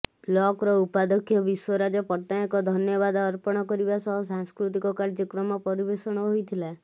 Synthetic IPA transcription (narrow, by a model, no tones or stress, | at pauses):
blɔkɾɔupad̪ɔkʰjɔbiswɔɾad͡ʒɔpɔʈːaekɔd̪ʱɔnjɔbad̪ɔːɾpɔɽ̃ɔkɔɾibasɔɦsaŋskɾut̪ikɔkaɾd͡ʒɔkɾɔmɔpɔɾibesɔɽ̃ɔɦojt̪ʰila